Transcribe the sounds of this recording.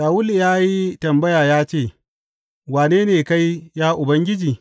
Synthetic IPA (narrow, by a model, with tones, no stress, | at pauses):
saː˨wʊ˦li˨jaː˦ji˦tɐ˨mbɐ˦jaː˨jaː˦t͡ʃeː˦˨ | waː˨neː˦neː˨ka˦jjaː˦ʔʊ˨bɐ˦ŋɡʲɪ˦d͡ʒiː˨